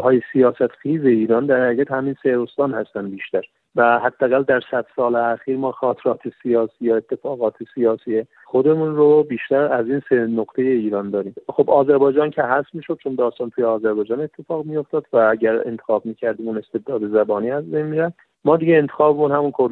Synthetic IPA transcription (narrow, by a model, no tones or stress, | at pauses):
hɒːjesijɒːsæt̪xiːze̞iːɾɒːnd̪æɾhæijæt̪hæmiːnseɾost̪ɒːnhæst̪ænd̪biːʃt̪æɾ | væhæd̪ːææɣæld̪æɾsæd̪̥sɒːleæxiːɾmɒːxɒːt̪ʰeɾɒːt̪ʰesijɒːsiːjɒe̞t̪ʰːe̞fɒːɣɒːt̪ʰesijɒːsiːje | xod̪e̞munɾobiːʃt̪æɾæziːnsenoɡt̪ʰejeiːɾɒːnd̪ɒːɾiːmxobɒːzæɾbɒːjd͡ʒɒːncʰeɦæsmiːʃo̞d̪̚t͡ʃʰond̪ɒːst̪ɒːnt̪ʰuːjeɒːzæɾbɒːjd͡ʒɒːne̞t̪ʰːe̞fɒːɣmijo̞ft̪ɒːd̪̥vææɟæɾḛnt̪ʰexɒːb̚miːcʰæɾd̪iːmune̞st̪e̞d̪ɒːd̪ezæbɒːniːæzbejnmiːɾæfd̪ | mɒːd̪iɟeːnt̪ʰexɒːbemunhæmunkʰoɾ